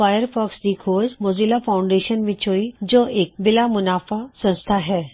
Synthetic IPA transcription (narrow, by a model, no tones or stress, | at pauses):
aːjəɾpɔːksd̪ikʰoːd͡ʒmoːzilafaːʊ̃ɳɖeːʃənmɪ̃t͡ʃoːid͡ʒoːeːk̚bɪlamʊnaːfasɐ̃nst̪ʰaɦɛː